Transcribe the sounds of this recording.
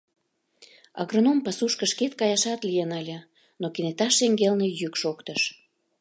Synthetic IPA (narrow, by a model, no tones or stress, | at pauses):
ɑ̰ɣrənompɑsuʃkəʃket̪̚kɑjɑʃɑt̪lijenɑlʲə̆ | nokinet̪ɑʃeŋɡelnejykʃokt̪əʃ